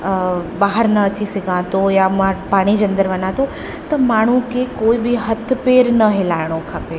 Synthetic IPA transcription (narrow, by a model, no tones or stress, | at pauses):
baːɦəɾnɐɐt͡ɕisɪɡʱãt̪ojamãpaːɽ̃id͡ʒɐ̃nd̪əɾʋɐnãt̪o | t̪ɐmaːɳ̤ukekoːibɪɦɐt̪ʰpeːɾnɐɦelaːɪɽ̃okʰɐpeː